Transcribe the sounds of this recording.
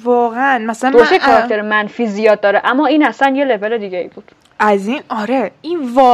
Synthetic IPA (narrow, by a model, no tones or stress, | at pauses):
vɒːɣeænmæsælædoɾost̪eekʰɒɾɒk̚t̪ʰeɾemænfiːzijɒːd̪̚ːɒːɾeʔæmːɒːiːnæsænje̞le̞ve̞le̞d̪iːɟʲeḭːbuːd̪̥ | æzinɒɾeinvɒː